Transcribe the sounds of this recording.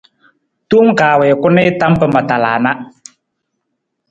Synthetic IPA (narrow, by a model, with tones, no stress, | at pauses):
t̪u˦m̩˦kaː˨wɛ˨kʊ˦nɪ˦t̪a˦mpə˦ma˨t̪a˨la̰ː˨na˦